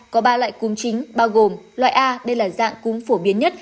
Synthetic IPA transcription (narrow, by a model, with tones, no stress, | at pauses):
kɔ˨˦ɓaː˧lwa̰ː˧˨jkʊ˨˦ŋ͡mt͡ɕï˨˦ŋ̟ɓaː˧wɣo˨˩mlwa̰ː˧˨jʔaː˧ɗə˧jlaː˨˩za̰ː˧˨ŋkʊ˨˦ŋ͡mfo˧˩ɓi˨˦ənɲə˦˥t̚